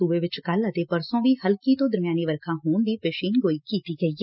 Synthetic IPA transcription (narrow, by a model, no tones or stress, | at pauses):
uːʋeːʋɪt͡ʃkələt̪eːpəɾsõːʋiːhəlkiːt̪õːd̪əɾmɪjaːniːʋəɾkʰãːɦoːnd̪iːpeːʃiːnɡoːiːkiːt̪iːɡəiː